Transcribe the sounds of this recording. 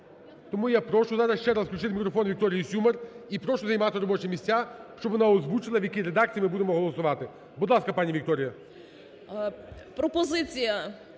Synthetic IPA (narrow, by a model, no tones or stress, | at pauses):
t̪ɔmujapɾɔʃʊzɑɾɐsʃt͡ʃɛɾasfklʲʊt͡ʃɪt̪mikɾɔfɔnʋʲik̚t̪ɔɾʲɪjisʲumɐripɾɔʃʊzɐjmɑt̪ɪɾɔbɔt͡ʃɛmʲisʲt͡sʲːaʃt͡ʃɔbʋɔnaɔzʋut͡ʃɪlˠɐʋjɐkʲiɾed̪akt͡sʲijimɪbud̪emɔɦɔlˠɔsʊʋɑt̪ɪ | bʊd̪lˠɑskɐpɑnʲiʋʲik̚t̪ɔɾʲɪjɐ | pɾɔpɔzɪt͡sʲijɐ